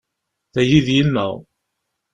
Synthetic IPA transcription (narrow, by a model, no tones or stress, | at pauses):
θæjiðjinːə̰ʁ